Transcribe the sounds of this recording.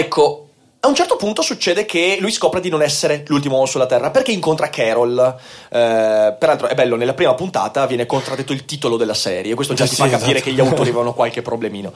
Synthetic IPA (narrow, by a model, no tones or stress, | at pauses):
ɛkʰːo | aunt͡ʃɛrt̪opunt̪osut͡ʃːeːd̪ekʰelujskɔːpɾed̪inonɛsːeɾelult̪̬imoɔnːosulːat̪ɛrːaperkeiŋkont̪ɾakʰɛɾolː | peɾalt̪ɾoɛbɛlːonelːapɾiːmapunt̪a̰ːt̪avjɛːnekont̪ɾad̪ːet̪ːoilt̪iːt̪olod̪elːasɛːɾjeːkwest̪od͡ʒat̪ifakːapiːɾekeʎːiaut̪oːɾivevanokwalk̟epːɾoblemiːno̰